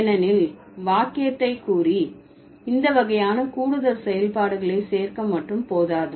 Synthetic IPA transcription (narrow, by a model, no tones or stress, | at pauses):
nɐnɪl | ʋaːkɪjɐt̪ːɐɪkːuːri | ɪnd̪ɐʋɐɣɐjaːnɐkuːɽɯðɐɾsɛjɐlpaːɽɯɣɐɭeːseːrkɐmːɐʈrɯmpoːðaːðɯ